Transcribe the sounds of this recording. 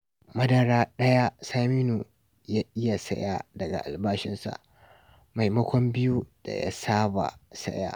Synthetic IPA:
mɐ˦dɐ˨ɾaː˦ɗɐ˦ja˦saː˦miː˦nu˨ | jaː˦ʔɪ˦ja˨sɐ˦ja˦dɐ˨ɡa̰˨ʔa˨lbaː˦ʃɪ˦nsa̰˨ʔ | ma˨jmɐ˦kʷɔ˦mbɪ˦ju˦d̥a̰˨ja̰˦saː˦ba̰˨sɐ̰˦ja̰ː˦

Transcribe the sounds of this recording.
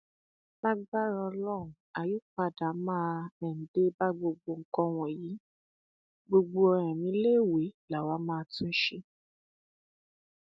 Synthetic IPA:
ba˦ɡ͡ba˦ɾɔ˧lɔ˦˨ũ˨a˨ju˦k͡pa˧˨da˨˦mãː˦˧ɛ˨n̩˨de˦ba˦ɡ͡bo˧ɡ͡bo˧ŋ̩˦kɔ̃˦w̃ɔ̃˨ji˨˦ | ɡ͡bo˧ɡ͡bo˧ɔ˧ɾ̃ɛ̃˨mĩ˨˦le˦˨we˨˦la˨wa˨˦mãː˦˧tũ˦ʃe˧

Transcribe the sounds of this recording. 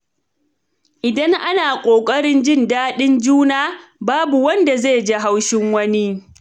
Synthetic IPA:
ʔɪ˨dɐ˦ŋʔa˦naː˨kʷʼoː˨kʼɐ˦ɽɪ˦nd͡ʒɪ˦ndaː˦ɗɪ˦nd͡ʒuː˦naː˦˨baː˦bu˨wɐ˦nda˨ze˦˨d͡ʒe˦ɦa˦wʃɪ˦ŋwɐ˦ni˦

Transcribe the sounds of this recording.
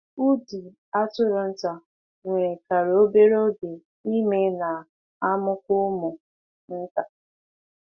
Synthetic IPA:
u˦di˨ | a˦tʊ˦ɾʊ˨n̩˦ta˨ | ŋʷe˨ɾe˨ka˨ɾo˦be˦ɾo˦ɡe˨ | i˦me˦na˨ | a˦mʊ˦kʷʊ˦mʊ˨ | n̩˦ta˨

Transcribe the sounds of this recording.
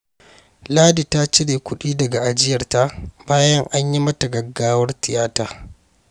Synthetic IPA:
laː˦di˨ta˦t͡ʃɪ˦ɽeː˨kʷʊ˦ɗiː˦dɐ˨ɡa˨ʔa˨d͡ʒɪ˦jɐ˨rta˦baː˦jɐ˦ŋʔa˦ɲji˦mɐ˦ta˨ɡɐ˨ɡːaː˦wɐ˦rtɪ˨jaː˦taː˨

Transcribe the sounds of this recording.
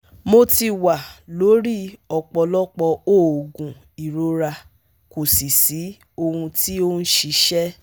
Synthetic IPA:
mo˧ti˧wa˨lo˨˦ɾi˦ɔ˧k͡pɔ˧lɔ˦k͡pɔ˧oː˦˨o˨ɡũ˨ | i˨ɾo˨˦ɾa˧ | ko˨si˨si˨˦ | o˧hũ˧ti˦o˦n̩˦ʃi˧˦ʃɛ˦

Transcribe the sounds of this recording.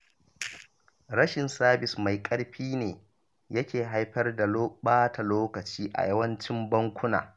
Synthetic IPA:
ɽɐ˦ʃɪ˨nsaː˦bɪ˨sma˨jkʼɐ˦ɽɸiː˦neː˨ | jɐ˦kʲeː˨ɦa˦jɸɐ˦rda˨loː˦ɓaː˦ta˨loː˦kɐ˨t͡ʃiː˦ʔa̰˨jɐ˦wɐ˦nt͡ʃɪ˦mbɐ˦ŋkʷʊ˦na̰ː˨

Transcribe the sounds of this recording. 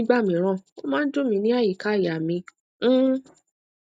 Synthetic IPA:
ɡ͡ba˦˨mĩ˨˦ɾ̃ã˦˨o˦mãː˦n̩˦do˦mĩ˧nĩ˦a˦˨ji˨ka˦˨ja˨mĩ˧˦

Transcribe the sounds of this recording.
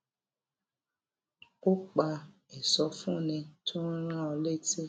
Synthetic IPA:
o˦k͡pa˧ɛ˨sɔ˧fũ˦˨nɛ̃˧tʰo˦ɾ̃ã˦ɔ˧le˦˨ti˦˨

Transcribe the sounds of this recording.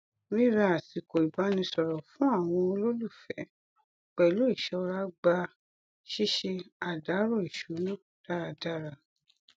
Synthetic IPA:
ɾĩ˦ɾa˧a˨si˨ko˨i˨ba˨˦nĩ˧sɔ˨ɾɔ˨fũ˨˦a˦˨w̃ɔ̃˧lo˦lu˦˨fɛ˨˦˨ | k͡pɛ˨lo˦i˦˨ʃɛ˧˦ɔ˧ɾa˦ɡ͡ba˧ | ʃi˦ʃe˧a˨da˨˦ɾo˦˨i˨ʃu˨˦nã˦˨d̥a˦˨ɾa˧da˦ɾa˧˨

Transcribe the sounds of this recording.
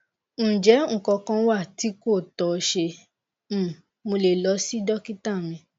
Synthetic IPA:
d͡ʒɛ˨˦ŋ̩˨kɔ˧kã˧˦wa˦˨ti˨˦ko˦˨tɔ˨˧ʃe˧˦˨ | mo˧le˨lɔ˨˦si˦dɔ˦ki˦ta˦˨ɾ̃ĩ˧

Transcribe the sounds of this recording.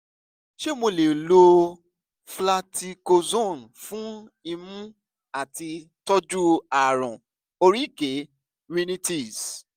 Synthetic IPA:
ʃe˦mo˧le˨lo˧ | fla˧ti˧ko˧zõ˦˨n˨fũ˦i˧mũ˦ | a˦˨ti˧tɔ˦d͡ʒu˦a˨ɾɔ̃˨ | o˧ɾi˦˨ke˨˦ | wi˧nĩ˦ti˦˨s

